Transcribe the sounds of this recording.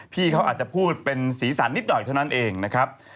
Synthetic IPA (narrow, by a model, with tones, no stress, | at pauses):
pʰiː˥˩kʰa˦˥wʔaː˨˩t̪̚t͡ɕa˨˩pʰuː˥˩t̪̚pe˧nsiː˩˦sa˩˦nːi˦˥t̪̚nɔ˨˩jt̪ʰa˥˩na˦˥nʔeː˧ŋna˦˥kʰɾa˦˥p̚